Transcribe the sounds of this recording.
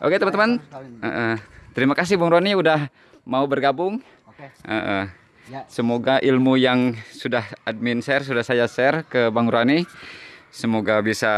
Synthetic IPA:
ʔoket̪əmant̪əmanə̰ʔət̪əɾimakas̬ɪhbaŋɾuaniudah | maubərɡabʊŋ | ʔə̰ʔə | səmoɡaʔilmujaŋsudahad̚minsɛrsudahsajasɛrkəbaŋɾwani | səmoɡabisa

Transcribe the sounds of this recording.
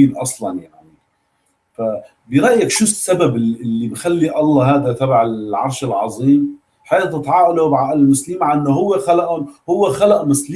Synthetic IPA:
iːlʔɑsˤlɑnjaʕni | fa | bɪɾɑʔjakʃusːababɪlːibxalːiʔɑlˤːɑɦaːd̪at̪abaʕɪlʕɑ̰ɾˤʃɪlʕɑ̰zˤiːm | ħeːt̪ːɨt̪ʕɑːʔalobʕaʔɪlɪlmʊsliːmaʕaʔɪnːoɦʊwːexalaʔʊhʊwːexalaʔmʊsl

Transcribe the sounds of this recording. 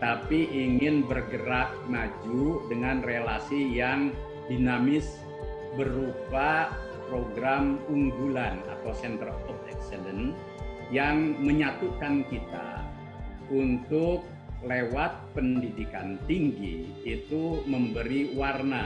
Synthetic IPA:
t̪apiʔiŋɪnbərɡəɾaʔ | mad͡ʒudəŋanrelasijaŋ | dinamɪs | bəɾupa | pɾoɡɾamuŋɡulana̰t̪awsɛnt̪ərɔfɛ̰ksələn | jaŋməɲat̪ukankit̪a̰ | unt̪ʊk̚ | lewat̪̚pəndidikant̪iŋɡḭ | it̪uməmbəɾiwarna

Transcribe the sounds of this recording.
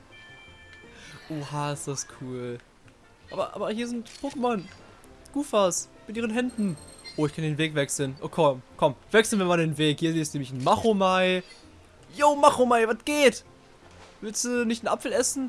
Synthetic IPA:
ʔoːhaːɪstd̥askʰuːl | ʔa̰ːbɐʔa̰ːbɐhiːɐzɪntpʰoːkəman | ɡ̥uːfasmɪtʔiːʁənɦɛndn̩ʔoːɪçkʰandeːnveːkvɛksl̩nʔokʰɔmkʰɔmvɛksl̩nvɛnmandeːnveːkhiːɐzɪstneːmɪçn̩maχomaɪ | joːmaχomaɪvatɡ̥eːt | vɪlstd̥unɪçtn̩ʔa̰pfl̩ɛsn̩

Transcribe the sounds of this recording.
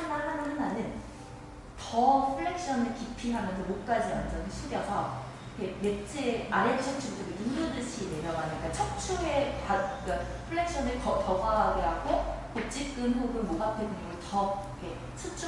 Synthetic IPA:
amaɭɦananɯnanɯn | tʌpʰɯɭːe̞k̚ɕ͈ʌnɯɭkipʰiɦamjʌnsʰʌmok̚k͈ad͡ʑiwa̰nd͡ʑʌniɕʰuɡjʌsʰʌ | ikʰeme̞t͡ɕ͈ʰeaɾet͡ɕʰk̚t͡ɕʰutʰuɡenuŋdodɯɕʰineɾjʌɡanik͈at͡ɕʰʌk̚t͡ɕʰuepakapʰɯɭːe̞k̚ɕ͈ʌnɯɭkʌpʌɡaaɡɯɾaɡokot͡ɕ͈ip̚k͈ɯnɦoɡɯɭmoɡapʰedɯɲiɡɯɭtʌikʰe̞ | t͡ɕʰut͡ɕ͈ʰ

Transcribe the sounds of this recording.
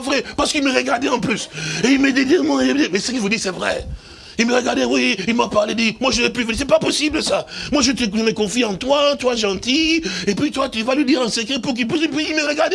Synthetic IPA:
vʁɛpaʁsə̥kilməʁəɡaʁd̪eɑ̃plyseilməd̪ed̪iʁmwɛ̃ed̪imɛsəkilvud̪isɛvʁɛ̰ | ilməʁəɡaʁd̪ewiilmapaʁled̪imwaʒəɛpivəd̪isɛpapɔsibləsamwaʒət̪əʒəməkɔ̃fiɑ̃t̪wat̪waʒɑ̃t̪iepɥit̪wat̪yvaləd̪iʁɑ̃səkχepuʁk̬ilpysipiilməʁəɡaʁd̪e

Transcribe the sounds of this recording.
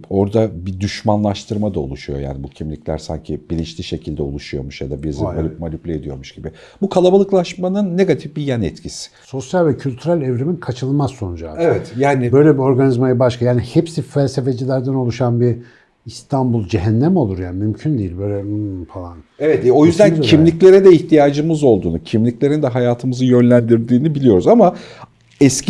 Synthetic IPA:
o̞ɾd̪abid̪yʃmanlˠaʃt̪ʰɯɾmad̪aolˠuʃujo̞ja̰ːnibucʰimlʲiclʲæ̰ɾsa̰ɲcʰibilʲint͡ʃlʲiʃe̞cʰilʲd̪ɛo̰lˠuʃujo̞̰ɾmuʃjad̪abiɾzialʲip̚malʲuplʲied̪ijo̞ɾmuʃɟ̥ibɪ | bukʰalˠabalˠɯklˠaʃmanɯnːe̞ɡat̪ʰifbijanɛt̪cʰisɪ̥so̞sjalʲvɛcʰylʲt̪ʰyɾælʲɛvɾeminkʰat͡ʃʰɯlˠmasːo̞nud͡ʒaːevɛt̪jaːnibø̞jlʲɛbio̞ɾɡanizmajɯbaʃkʰajaːnihepsifælʲsefe̞d͡ʒilʲæɾd̪æno̞lˠuʃanbiɾ | ist̪ʰambulˠd͡ʒeɦɛnːæmo̞lˠuɾjanmymcʰynd̪ijilʲbøjlʲɛfalˠanevɛt̪o̞jyzd̪æncʰimlʲiclʲe̞ɾɛd̪ɛiçt̪ʰijaːd͡ʒɯmɯzo̞lˠd̪uːnṵcʰimlʲiclʲe̞ɾind̪ɛɦajaːt̪ʰɯmɯzɯjø̞nlʲænd̪iɾd̪iːnibilʲijo̞ɾuzama | ɛsc

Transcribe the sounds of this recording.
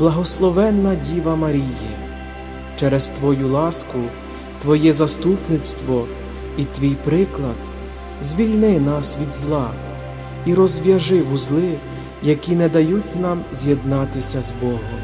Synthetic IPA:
blˠɐɦɔslˠɔʋɛnːɐdʲiʋɐmɐɾʲiji | t͡ʃɛɾɛst̪ʋɔjulˠɑskʊ | t̪ʋɔjɛzɐst̪upnɪt̪st̪ʋɔ | it̪ʋʲijpɾɪklˠɐd̪̥ | zʲʋʲilʲnɪnɑsʋʲid̪zlˠɑ | iɾɔzʲʋʲjɐʒɪɦuzlˠɪ | jɐkʲinɛd̪ɐjutʲnɑmzʲjed̪nɑt̪ɪsʲɐzbɔɦɔm

